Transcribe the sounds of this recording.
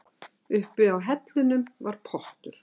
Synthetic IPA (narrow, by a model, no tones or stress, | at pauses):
ʏhpɪawɦɛt̪lʏnʏmvaɾ̥pʰɔht̪ʏɾ̥